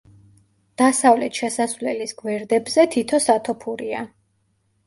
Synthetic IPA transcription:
d̪̥asavlɛt̪ʃɛsasvlɛlisɡwɛɾd̪ɛbzɛt̪ʰit̪ʰɔsat̪ʰɔpʰuɾia

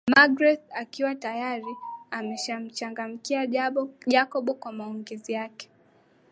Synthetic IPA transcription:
maɡɾɛθakiwatajaɾiamɛʃam̩t͡ʃaŋɡam̩kiaʄakɔɓɔkwamaɔŋɡɛzijakɛ̥

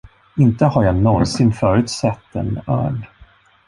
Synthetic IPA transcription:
ɪnt̪əhaɾjanɔnsɪnfœːɾʉ̟ːt̪sɛt̪ːɛ̰nœ̰ːɖ

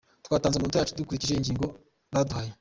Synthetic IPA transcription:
tkwaːtaːnzemuːntjaːt͡ʃedukuɾiciʒeiɲɟiːŋɡo̞ | daduhaje

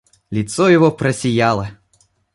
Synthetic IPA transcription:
lʲit̪sɔjɔvɔpɾɐsʲijalˠe

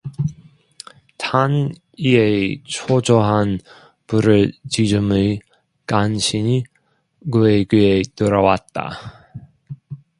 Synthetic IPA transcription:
tʰan | iet͡ɕʰod͡ʑoɦan | puɾɯɭt͡ɕid͡ʑumɯ | kanɕʰiɲi | kɯeɡietɯɾʌwat̚t͈a̰

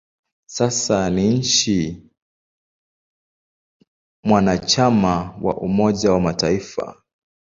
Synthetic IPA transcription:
sasaniɲ̩t͡ʃi | mwanat͡ʃamawa̰ʔumɔʄawamataifa̰

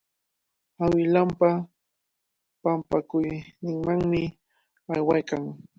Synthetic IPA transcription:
awɪlampa | pampakʊjnɪŋmaŋmɪ | ajwajkaŋ

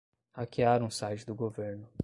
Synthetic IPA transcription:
hakiaɾũsajt͡ʃɪd̪ʊɡoveɾnʊ

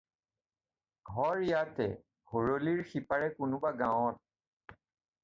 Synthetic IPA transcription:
ɡʱɔɹjatɛ̰ | hoɹoliɹxipaɹɛkʊnʊbaɡãwɔt̚

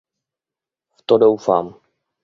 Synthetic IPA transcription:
ft̪odowfa̰ːm

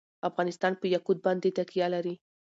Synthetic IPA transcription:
afɣɑnɪst̪ɑnpəjakud̪̚bɑnd̪et̪akijalaɾi

